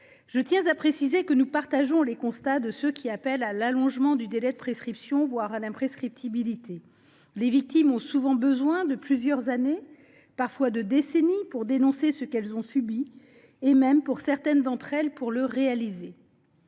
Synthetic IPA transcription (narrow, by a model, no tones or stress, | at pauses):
ʒ̥ət̪jɛ̃zapχesizekənupaʁt̪aʒɔ̃lekɔ̃st̪ad̪əsøkʲiapɛlalalɔ̃ʒmɑ̃d̪yd̪elɛd̪əpχeskχipsjɔ̃vwaʁalɛ̃pχeskχip̚t̪ʰibilit̪ʰe | levik̚t̪imɔ̃suvɑ̃bəzwɛ̃d̪əplyzjœʁzane | paʁfwad̪əd̪esenipuʁd̪enɔ̃sesəkɛlzɔ̃sybi | emɛmpuʁsɛʁt̪ɛnd̪ɑ̃t̪χɛlpuʁləʁealize